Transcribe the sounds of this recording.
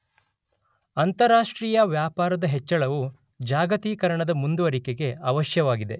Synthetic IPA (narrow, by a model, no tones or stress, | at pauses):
ɐnt̪ɐɾaːʂʈɾiːjɐʋjaːpaːɾɐd̪ɐɦɛt͡ʃːɐɭɐʋu | d͡ʒaːɡɐt̪iːkɐɾɐɳɐd̪ɐmund̪uʋɐɾikeɡe̞ɐʋɐʃjɐʋaːɡid̪e̞